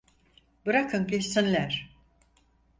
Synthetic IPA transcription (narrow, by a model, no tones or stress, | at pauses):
bɯɾakʰɯmkʲʰesinlʲæɾ̥